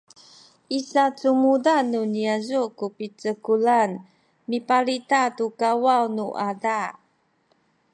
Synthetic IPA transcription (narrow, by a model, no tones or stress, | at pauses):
ʔisat͡sumudanuniazukupit͡səkulan | mipaɾitatukawawnuʔada